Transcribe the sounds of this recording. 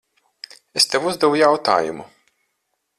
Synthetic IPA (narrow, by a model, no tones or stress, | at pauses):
est̪evuzd̪ɛvujawt̪a̰ːjṵmu